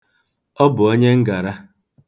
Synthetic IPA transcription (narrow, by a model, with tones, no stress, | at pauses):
ɔ˦bʊ˨o˦ɲe˦ŋ̩˦ɡa˨ɾa˦